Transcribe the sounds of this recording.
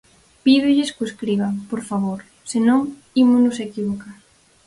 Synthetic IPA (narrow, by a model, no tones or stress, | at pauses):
piðʊʎɪskoeskɾiβapoɾfaβoɾ | sɪnõŋ | imʊnʊsekiβoka